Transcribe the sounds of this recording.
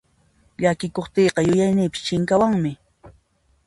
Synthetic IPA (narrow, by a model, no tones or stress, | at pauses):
ʎakɪkoχt̪eːqɑjʊjajnɪːpɪ̥st͡ʃɪŋkawaŋmɪ